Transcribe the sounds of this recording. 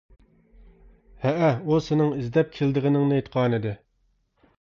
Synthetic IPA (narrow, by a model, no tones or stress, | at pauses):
hɛʔɛusɪnɪŋizd̪ɛp̚kʲʰeld̪ɨʁɪnɪŋnɨt̪qʰɑːnɨd̪ɨ